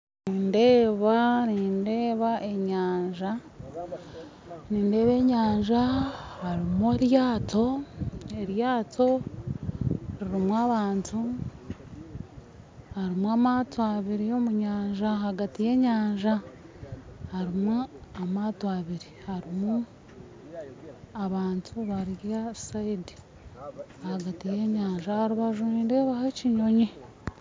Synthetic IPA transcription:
niːnde̞ːβaniːnde̞ːβaʔe̞ɲaːɲʒa | niːnde̞ːβe̞ːɲaːɲʒahaɾimueɾjaːtʰo̞e̞ɾjaːto̞ | ɾiɾimwaβaːntʰu | haɾimwamataβiɾijo̞muɲaːɲʒaɦaɡatije̞ɲaːɲʒa | haɾimuamatwaβiɾihaɾimu | aβaːntʰuβaɾiɾjasaidi̥ | ahaɡatije̞ɲaːɲʒahaɾiβaʒiːndeβaheciɲo̞ɲi

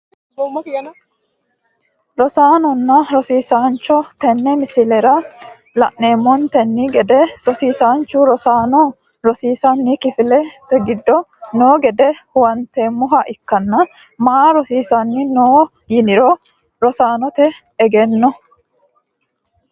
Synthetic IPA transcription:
ɾɔsaːnɔnːɐɾɔsiːsaːnt͡ʃːɔt̪ɛnːɛmɪsɪlɛɾɐ | lɐ̰ʔne̞ːmːɔnt̪ɛnːɪɡɛd̪ɛɾɔsiːsaːnt͡ʃʊɾɔsaːnɔ | ɾɔsiːsɐnːɪkɪfɪlɛt̪ɛɡɪd̪ːɔnoːɡɛd̪ɛhʊwɐnt̪eːmːʊɦɐʔɪkːɐnːɐ | maɾɔsiːsanːɪnoː | jɪnɪɾɔ | ɾɔsaːnɔt̪ɛː | ɡɛnːɔ

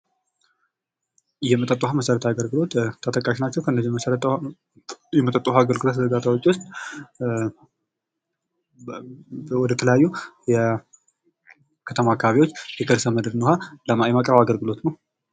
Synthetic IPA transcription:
jɛmət̪ʼət̪ʼːuhaməsəɾət̪ʰaɡəlɡɨlo̞t̪t̪ʰːət̪ʼəkʼːaʃnat͡ʃːɛwkʰəɨnːəziməsəɾt̪ | jɛmət̪ʼət̪ʼːuhaaɡəlɡɨlot̪zəd̪at̪ʰawot͡ʃːwʊst̪ʼ | wɔd̪ət̪ʰələjajːujɛ | kʰət̪ʰəmaːkːaβaβiwo̞t͡ʃːjɛɡʰəɾsəməd̪ɾnuɦaləjmakʼɾəβaɡəlɡɨlo̞t̪nəw

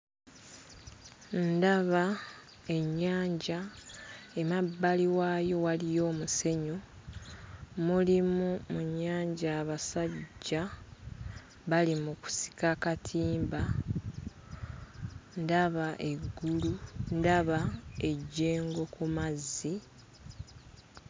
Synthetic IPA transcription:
ndaβa | e̞ɲːaːɲɟa | e̞mabːaliwaːjo̞walijo̞ːmuse̞ɲo | mulimumuɲːaːɲɟaːβasaɟːa | βalimuku̥si̥kakatʰiːmba | ndaβaʔe̞ɡːulundaβae̞ɟːe̞ːŋɡo̞kumazːi

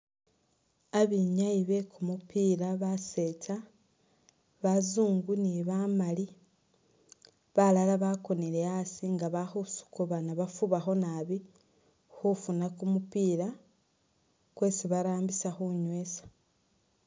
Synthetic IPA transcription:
aβiɲaiβe̞kumupiːɾaβase̞ːtʰa | βazuːŋɡuniβamali | βalalaβako̞neɾeasiŋɡaβaxusu̥kuβanaβafuβaxo̞naβi | xufunakumupiːɾa | kwe̞ːsiβaɾaːmbisaxuɲwe̞sḁ

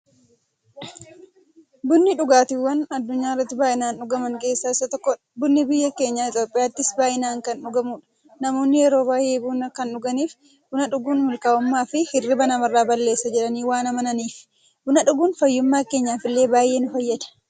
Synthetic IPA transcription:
bʊnːɪᶑʊɡaːt̪ɪwːɐnɐd̪ːʊɲːaːɪrːɐt̪ːɪbaːʔɪnaːnᶑʊɡɐmɐŋke̞ːsːaːɪsːɐt̪ɔkːɔ | bʊnːɪbɪjːɐke̞ːɲːaːɪt̪jo̞ːpʼɪjaːt̪ːɪsbaːʔɪnaːŋkɐnᶑʊɡɐmuːᶑɐ̥ | nɐmo̞ːnːɪjɛɾo̞ːbaːjeːbuːnɐkɐnᶑʊɡɐniːf | bʊnɐᶑʊɡuːnmʊlkaːʊmːaːfɪhɪrːɪbɐnɐmɐrːaːbɐlːe̞ːsːɐd͡ʒɛᶑɐniːwaːnɐmɐnɐniːf | bʊnɐᶑʊɡuːnfɐjːʊmːaːke̞ːɲːaːfɪlːe̞ːbaːje̞ːnʊfɐjːɐd̪ɐ̥

